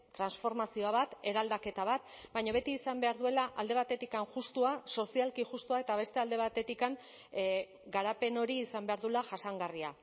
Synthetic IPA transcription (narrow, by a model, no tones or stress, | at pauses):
t̪ɾansfo̞ɾmasioaβat̪e̞ɾald̪ake̞t̪aβat̪̚bajɲoβe̞t̪iːsambe̞aɾðue̞laʔald̪e̞β̞at̪e̞t̪ikaŋʝust̪uaso̞sialkiʝust̪uae̞t̪aβe̞st̪e̞ald̪e̞β̞at̪e̞t̪ikaŋ | ɡaɾape̞no̞ɾiːsambe̞aɾðulaʝasaŋɡaria̰